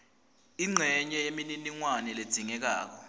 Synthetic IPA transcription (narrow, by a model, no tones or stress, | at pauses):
iŋ͡ǀʱɛɲɛjemininiŋwanɛled̥z̥ʱiŋɛk̬a̰ːk̬ɔ